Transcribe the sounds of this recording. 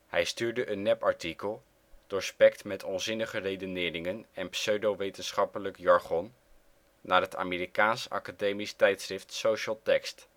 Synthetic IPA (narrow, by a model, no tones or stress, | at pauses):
hɛjstyːɹdəʔənːɛpɑɹtikəlˠ | d̥ɔɹspɛktmɛtʰɔnzɪnəχərejdənɪːɾɪŋənɛnpsøɥdowʋejtənsχɑpələkjɑɹχɔn | naːɹɦətʰa̰ːmɪːrikaːnsɑ̰kadejmistɛjtsrɪftsowʃəlˠtɛkst